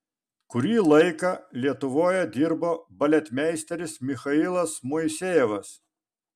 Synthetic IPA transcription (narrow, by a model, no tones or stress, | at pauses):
kʊɾʲiːlˠɐɪkɐlʲiɛt̪ʊʋoːjɛd̪ʲiɾboːbɐlʲɛt̪ʲmʲɛɪsʲt̪ʲɛɾʲɪsmʲɪxɐɪlˠɐsmʊɪsʲeːjɛʋɐs